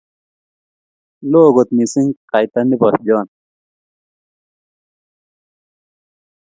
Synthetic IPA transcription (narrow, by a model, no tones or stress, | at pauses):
loːɡot̪misiŋqajt̪ɐndipʌsd͡ʑɔːn